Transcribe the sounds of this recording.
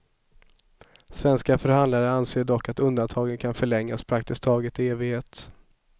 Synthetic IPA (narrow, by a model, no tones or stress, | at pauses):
svɛnskafœɾhand̪laɾəanseːɖɔkːat̪ɵnd̪ant̪ʰɑːɡənkʰanfœɭɛŋːaspʰɾak̚t̪ɪst̪ʰɑːɡət̪ɪeːvɪɡheːt̪